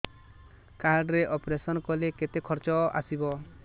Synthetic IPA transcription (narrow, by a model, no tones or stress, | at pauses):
kaɾɖɾeʔɔpɾesɔnkɔleket̪ekʰɔɾt͡ʃɔa̰sibɔ